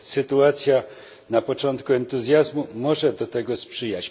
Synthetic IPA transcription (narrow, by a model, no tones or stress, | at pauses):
sɘt̪uat̪sʲja | napɔt͡ʂɔnt̪kuɛnt̪uzʲjazmumɔʐɛd̪ɔt̪ɛɡɔspʂɘjat͡ɕ